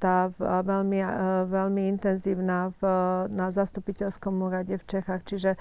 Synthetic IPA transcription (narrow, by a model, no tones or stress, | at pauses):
t̪aːʋɛlmḭʋɛlmiint̪ɛnziːʊnaːvnazast̪upicɛlskɔmuːɾaɟɛft͡ʃɛxaxt͡ʃiʒɛ